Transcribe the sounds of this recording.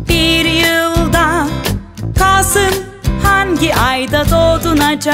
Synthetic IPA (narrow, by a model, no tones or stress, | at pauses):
b̥iɾjɯlˠd̪a | kʰasɯm | haŋɟʲiʔajd̪at̪oːt̪unat͡ʃʰa